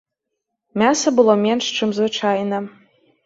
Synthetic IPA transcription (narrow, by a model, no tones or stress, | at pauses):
mʲasɐbɨlˠomʲenʂʈ͡ʂʰɪmzvɨʈ͡ʂʰajnɐ